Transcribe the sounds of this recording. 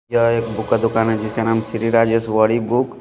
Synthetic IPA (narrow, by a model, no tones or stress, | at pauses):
aeːkbʊkad̪ʊkaːnɦɛd͡ʒɪskanaːmsɾiɾaːd͡ʒjəsʋəɽibʊk